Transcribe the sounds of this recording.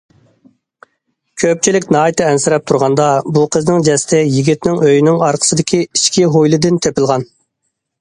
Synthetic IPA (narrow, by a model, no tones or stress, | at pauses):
kʲʰøp̚t͡ʃʰilɪkʲnɑːit̪ʰɨɛnsɪɾɛp̚t̪ʰuɾʁɑnd̪ɑbuqʰəznɪŋd͡ʒɛst̪ʰɛjiɡʲit̪nɪŋøjnɪŋɑɾqʰə̥sɨd̪ɪkʲʰiiʃkʲiɦojlˠɨd̪ɪnt̪ʰepɪlˠʁɑn